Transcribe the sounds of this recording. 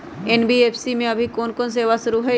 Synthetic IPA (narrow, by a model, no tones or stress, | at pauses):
ɛnbieːpʰsimẽɐbʱikoːnkoːns̬eːʋaʃʊɾuɦɛ